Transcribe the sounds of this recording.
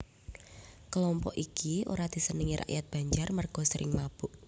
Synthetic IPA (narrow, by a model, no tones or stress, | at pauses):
kəlɔmpɔʔikio̰ɾad̪̥i̤sənəŋiɾʔa̰ʔjat̪̚b̥a̤ɲd͡ʒarmərɡ̥ɔ̤səɾɪ̰ŋmab̥uʔ